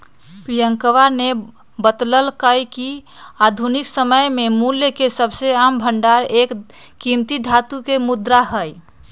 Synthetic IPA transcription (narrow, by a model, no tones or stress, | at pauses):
pɾijəŋkəʋane | bət̪ləlkəjkiad̪ʱuniksəməjmemuljəkesəbseambʱəɳɖaɾekːimt̪id̪ʱat̪ukemud̪ɾaɦəj